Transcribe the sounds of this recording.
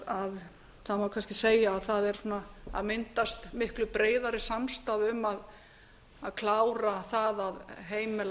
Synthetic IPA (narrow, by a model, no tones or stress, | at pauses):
að | θamawkʰanscɪseːjaːðθaðɛɾ̥suːnaa̰ðmɪnt̪ast̪mɪhklʏpɾeːjðaɾɪsamst̪aðʏmað | aðkʰlaːwɾaθaðaðɦeːjmɛl